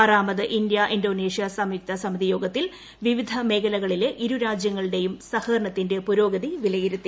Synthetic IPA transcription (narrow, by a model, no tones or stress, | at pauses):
ɐraːmɐðɨʔind̪jɐʔindo̞ːne̞ːʂijɐsɐmiːk̚t̪ɐsɐmiðijo̞ːɡɐt̪ːil | ʋiʋid̪ʱɐme̞ːkɐlɐɣɐɭile̞ʔiɾuɾaːd͡ʑjɐŋːɐɭɨɽe̞jumsɐhɐːɾɳɐt̪ːinde̞puɾo̞ːɡɐðiʋilɐjiɾut̪ːi